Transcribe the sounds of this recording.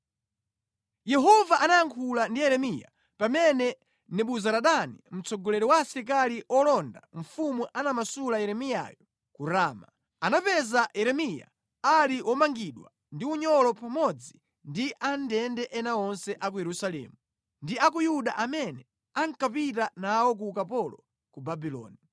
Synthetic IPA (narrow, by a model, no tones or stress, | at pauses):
jɛɦɔvaʔanajaŋkʰulandijɛɾɛmija̰ | pamɛnɛ | nɛɓuzaɾaɗanim̩t͡sɔɡɔlɛɾɔwasiɾik̬aliʔɔlɔndaɱ̩fumuʔanamasulajɛɾɛmija̰jɔ | kuɾaːma | anapɛzajɛɾɛmija̰ | aliʔwɔmaŋɡiɗwa̰ | ndiuɲɔlɔpamɔd͡zi | ndiʔandɛndɛʔɛnaɔnsɛʔak̬ujɛɾusalɛ̰ːmu | ndiakujuɗaʔamɛnɛ | aŋkapitanawɔk̬ukapɔlɔ | kubabilɔ̰ːni